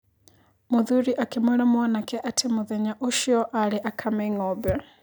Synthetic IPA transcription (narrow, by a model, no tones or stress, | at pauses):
muðuɾiʔakɛmɔlamuanakɛʔatʰɛmuðɛɲaʔuʃiɔʔalɛʔakʰamɛŋɔbɛ